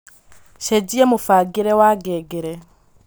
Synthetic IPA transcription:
ʃeɟiemufaɡiɾɛwaɡɛɡeɾɛ

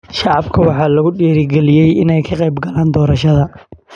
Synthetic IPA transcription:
ʃɑʕɑbkʰɐwɑħɑːlɐɣʊɖɛːɾɪɡɛlɪjɛjɪnɛjkʰɐqɛjbɡɐlaːnd̪ɔːɾɐʃɐðɐ

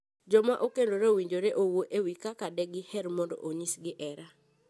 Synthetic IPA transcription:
d͡ʒɔmaʔokendoɾeowiɲd͡ʒoɾeʔowoʔewikakadɛɡɪhɛɾmɔndɔ̰ʔoɲisɡɪʔɛɾa

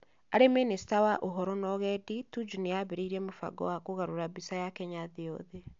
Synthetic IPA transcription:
aɾeminisi̥tawaʔoɦɔɾɔnɔɣɛditud͡ʒuneaβeɾeiɾiɛmofa̰ɡɔ̰wakoɣaɾoɾaβisajakɛɲaðeɔðe

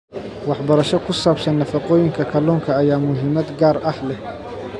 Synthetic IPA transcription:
wɑħbɐɾɐʃɔkʰʊsaːbsɐnːɐfɑqɔːjɪŋkʰɐkʰɐlɔːŋkʰɐːjaːmʊɦɪmɐd̪ɡaːɾʔɐhlɛh

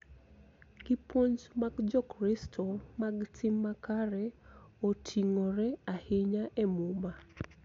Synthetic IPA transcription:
kɪpwoɲd͡ʒmaɡd͡ʒɔkɾistʰɔmaɡtʰɪmːakaɾɛotʰiŋoɾɛahɪɲaʔɛmuma

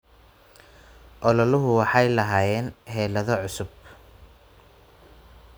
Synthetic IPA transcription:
ʔɔlɔlʊɦʊwɑħɑjlɐɦaːjɛːnɦɛːlɐðɔʕʊsʊb

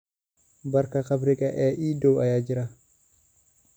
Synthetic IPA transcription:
bɐɾkɐkɐbɾɪkʼɐʔɛːʔiːdowɐjaːd͡ʒɪɾa

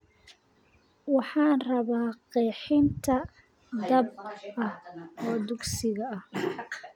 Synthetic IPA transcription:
wɑħɑːnrɐβaːqɛːħɪnt̪ʰɐ | d̪ɐb̚ʔɐhɔːd̪ʊɡsɪɣɐɐh

